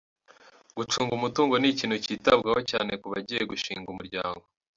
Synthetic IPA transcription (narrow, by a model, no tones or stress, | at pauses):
ɡ̥ut͡ʃuːŋɡumutuːŋɡo̞niciːn̥huciːtabɡaho̞caːne̞kuβaɟijeɡuʃḭːŋɡumuɾɟaːŋɡo̞